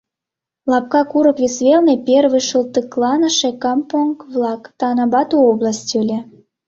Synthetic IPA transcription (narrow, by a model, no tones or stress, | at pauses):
lˠɑp̚kɑkuɾə̆kvʲesvʲelnepʲerβɨjʃult̪ɨklˠɑnə̆ʃekɑmpoŋkβlɑkt̪ɑnɑbɑt̪uoblˠɑsʲtʲølʲĕ